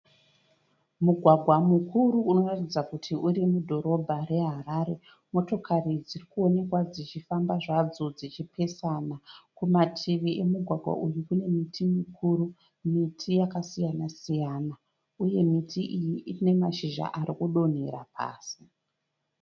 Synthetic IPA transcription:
muɡʱwaɡʱwamukuɾuːno̞ratid͡zakutʰiʔuɾimudʱo̞ɾo̞bʱare̞ɦaɾaːɾe̞ | mo̞to̞kʰarid͡zirikuo̞ne̞kwad͡zit͡ʃifambaʐad͡zod͡zit͡ʃipʰe̞sanakumatʰiʋiʔe̞muɡʱwaɡʱwa̰ʔujukune̞mitʰimikʰuɾu | mitʰijakasijanasijana | uje̞mitʰiʔijiine̞maʃiʒa̰ʔaɾikuɗo̞n̤ḛɾa̰pʰa̰ːsi̥

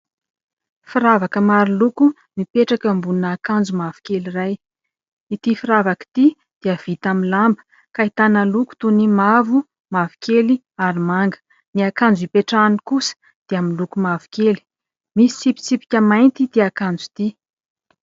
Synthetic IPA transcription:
fiɾavakəmaɾiluku | mipeʈ͡ʂakəmbunaːkand͡zumavu̥keliraj | it̪ifiɾavaki̥t̪i | d̪̥iav̥it̪aminlambə̥ | kait̪anəluku̥t̪unimavu | mavu̥keli | aɾimaŋɡə̥ | niakand͡zipeʈ͡ʂanikusə̥ | d̪̥eaminlukumavu̥keli̥ | misi̥sipi̥t͡sipi̥kʲəmajnt̪id̪iakand͡zut̪i

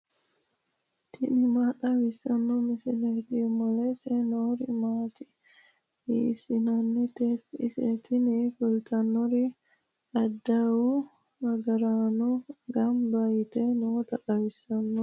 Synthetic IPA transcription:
t̪ʰɪnɪmaɗɐwɪsɐnːɔmɪsɪnɛt̪imɔlɛsɛnoːɾɪmaːt̪ɪ | hḭːsɪnɐnːit̪ɪ̰sɛ̰t̪ʰɪnikʊlt̪ʰɐnːɔɾi | ᶑɐd̪ːawu | ɐɡɐɾaːnɔɡɐmbajɪt̪ɛnoːt̪ɐɗɐwɪsːɐnːɔ

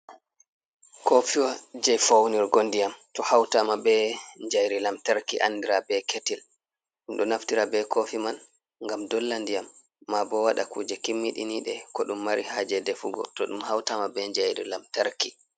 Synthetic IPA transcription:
kofiwad͡ʒɛfawniɾɡondijamtɔhawtamabɛɲd͡ʒajɾilamtaɾkiʔa̰ndiɾabɛkʰetil | ɗumɗɔnaftiɾabɛkofiman | ŋɡamdɔlːandijamː | abɔwaɗakuːd͡ʒɛkimːiɗḭniɗɛkɔɗumːaɾihad͡ʒɛdɛfuɡɔ̰tɔɗumhawtamabɛɲd͡ʒajɾḭlamtaɾki

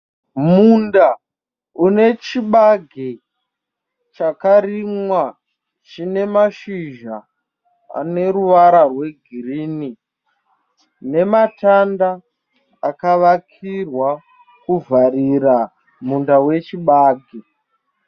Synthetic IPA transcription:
munda | une̞t͡ʃiɓaɡʱe | t͡ʃakaɾimwa | t͡ʃine̞maʃiʒa | a̰ne̞ɾuʋaɾarwe̞ɡʱirini | ne̞matandaː | kaʋakʰirwa | kuvʱaɾira | mundawe̞t͡ʃiɓaːɡʱe

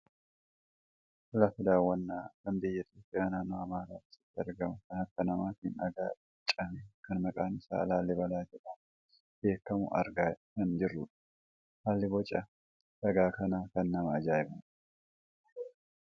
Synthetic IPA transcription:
fʊlɐfʊd̪aːwːɐnːaːkɐmbɪjːɐɪt̪joːpʼːjaːnaːnːoːɐmaːɾaːt̪ɪ̥sɪ̥t̪ːɪɐɾɡɐmʊkɐnhɐkːɐnɐmaːt̪ɪnɐɡa̰ːɪt͡ʃʼɐmɛkɐnmɐkʼaːnɪsa̰ːɐlaːlːɛbɐlaːd͡ʒɛᶑɐ | b̥e̞ːkːɐmʊ̰ʔɐ̰ɾɡaːkɐnd͡ʒɪrːʊᶑɐ̥ | haːlːɪbɔt͡ʃʼːɐ | sɐɡaːkɐnaːkɐnːɐmɐːd͡ʒaːjɪmʊᶑɐ

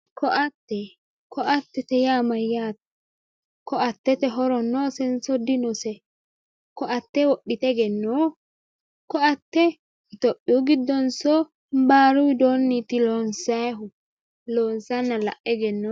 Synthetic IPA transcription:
kɔʔat̪ːɛ | kɔʔat̪ːɛt̪ɛjamajːaːt̪ | kɔat̪ːɛt̪ɛɦɔɾɔnːɔsɛnsɔd̪inɔsɛ | kɔʔat̪ːɛwɔɗːit̪ɛɡɛnːɔ | kɔat̪ːɛ | it̪ɔɗːuɡid̪ːɔnsɔ | mbaːɾuwid̪onːit̪ilɔnsaɦu | lɔnsanːala̰ʔːɛɡɛnːɔ

